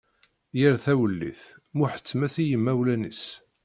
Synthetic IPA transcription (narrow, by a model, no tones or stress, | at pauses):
jəɾθæwəlːḭθmʊħə̥t͡sːmæθijəmːæwlænḭs